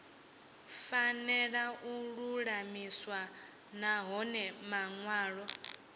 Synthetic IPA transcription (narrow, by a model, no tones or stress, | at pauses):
fanɛɺaʔuɺuɺamiswa | naɦɔnɛmaŋwaːɺɔ